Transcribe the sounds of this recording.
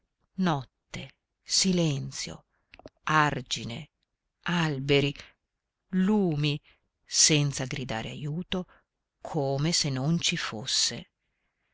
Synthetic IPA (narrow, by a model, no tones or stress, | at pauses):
nɔt̪ːe | silɛnt̪sjo̰ | ard͡ʒine | albeɾi | luːmi | sɛnt̪saɡɾid̪a̰ːɾea̰juːt̪o | kʰoːmesenːont͡ʃifosːḛ